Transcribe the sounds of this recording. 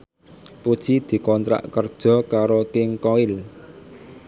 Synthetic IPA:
pud̥ʒ̥i̤d̪̥i̤kɔnt̪ɾa̰ʔkərd̥ʒ̥ɔ̤kaɾokɪŋkɔɪl

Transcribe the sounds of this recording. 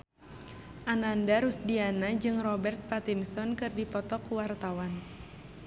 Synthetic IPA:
ʔanandaɾusdianad͡ʒɨŋrɔbɛrt̪̚pat̪insɔnkɨrdipɔt̪ɔkuwart̪awan

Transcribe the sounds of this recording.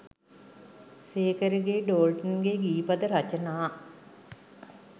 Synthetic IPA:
seːkəɾiɡeɖoːlʈənɡeɡiːpɐd̪əɾat͡ʃənaː

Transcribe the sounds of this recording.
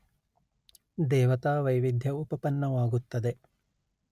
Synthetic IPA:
d̪eːʋɐt̪aːʋəjʋid̪ʱjɐupɐpɐnːɐʋaːɡut̪ːɐd̪e

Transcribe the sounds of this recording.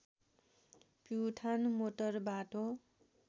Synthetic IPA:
pjuʈʰanmoʈʌrbaʈo

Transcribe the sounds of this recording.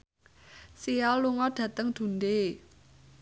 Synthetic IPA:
sialuŋɔɖ̥ä̤t̪əŋd̪̥ṳnd̪e

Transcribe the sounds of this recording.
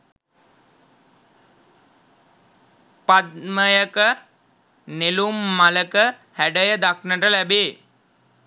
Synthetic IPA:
pat̪̚məjəkə | nelumːaləkə | hæɖəjəd̪aknəʈəlæbeː

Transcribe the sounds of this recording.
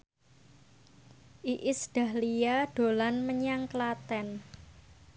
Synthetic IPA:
ʔiʔɪsd̥a̤hlijaɖ̥o̤lanməɲaŋklat̪ɛn

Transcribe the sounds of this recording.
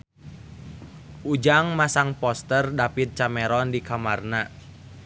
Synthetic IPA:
ʔud͡ʒaŋmasaŋpɔst̪ərdapit̪̚t͡ʃamɛɾɔndikamarna

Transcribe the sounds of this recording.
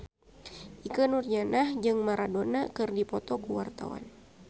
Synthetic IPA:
ʔikənurd͡ʒanahd͡ʒɨŋmaɾadonakɨrdipɔt̪ɔkuwart̪a̰wa̰n

